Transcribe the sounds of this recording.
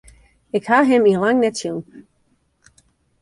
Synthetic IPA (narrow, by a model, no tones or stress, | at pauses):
ɪkhaɦɪ̃milãŋnɛtʰjun